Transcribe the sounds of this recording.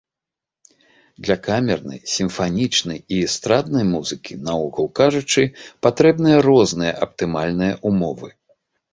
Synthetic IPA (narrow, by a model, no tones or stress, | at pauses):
d̪lʲɐkamʲɛrnɐ̰jsʲimfanʲit͡ʂnɐjist̪ɾad̪̚nɐjmuzɨkʲinauɣɐwkaʐut͡ʂɨpat̪ɾɛbnɨjɐɾɔznɨjɐ̰ʔɐp̚t̪ɨmalʲnɨjɐʔumɔvɨ